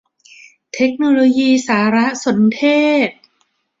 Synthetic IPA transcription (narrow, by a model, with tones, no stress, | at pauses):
t̪ʰe˦˥k̚noː˧loː˧jiː˧saː˩˦ɾa˦˥ʔso˩˦nt̪ʰeː˥˩t̪̚